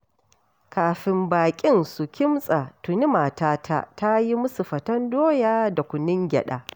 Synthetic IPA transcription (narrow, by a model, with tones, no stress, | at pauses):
kaː˨ɸɪ˨mbaː˨kʲʼɪ˦nsu˨kʲɪ˦msʼa˨tʊ˨ni˦maː˨taː˦tʰa̰˦ta˦ji˦mʊ˦su˨ɸɐ˨tɐ˦ndoː˦jaː˦da˨kʷʊ˨nɪ˦ŋɡʲɛ̰˨ɗa̰ː˨